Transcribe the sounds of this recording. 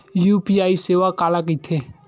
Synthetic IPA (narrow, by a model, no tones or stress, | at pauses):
juːpiaːiseːʋakaːlak̬it̪ʰe